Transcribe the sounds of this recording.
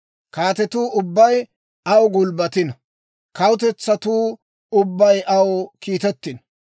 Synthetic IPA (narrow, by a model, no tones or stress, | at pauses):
kaːt̪ɛt̪uːʊbːɐj | ɐwɡʊlbɐt̪ɪn | kɐwʊt̪ɛt͡sːɐt̪uː | ʊbːɐjʔɐwkiːt̪ɛt̪ːɪn